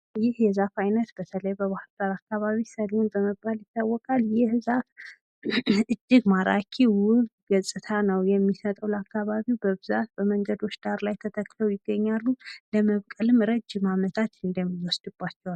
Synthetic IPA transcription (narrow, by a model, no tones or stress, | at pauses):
jɪhjɛzafajnət̪b̥ət̪ʰələjbəβahɨld̪aɾakːaβaβisəlunbəməbːaljɪt̪ːawːɔkʼaljɪhzaf | ɨd͡ʒːɪɡmaɾa̰kʰiwʊɡɡəsʼɨt̪ʰanəwjɛmːisət̪ʼəwlakʰːaβaβiwbəβɨzat̪̚bəməŋɡəd̪o̞t͡ʃːd̪aɾlajt̪ʰət̪ʰəkːləwjɪɡːəɲːalːuləməβkʼəlɨmɾəd͡ʒːɪmamət̪ʰat̪ɨnd̪əmːiwɔsd̪̥ɨbːat͡ʃːɛwal